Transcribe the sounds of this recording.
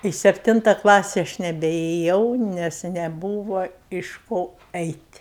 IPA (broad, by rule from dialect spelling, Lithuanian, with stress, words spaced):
ɪ ˈsʲæːpʲˈtʲɪntɐ ˈklˠɑːsʲɪ ˈɐʃ nʲɛbʲɛeːˈjɛʊ nʲɛs nʲɛˈbuːʋɐ ɪʃ ˈkoː ˈɛɪtʲ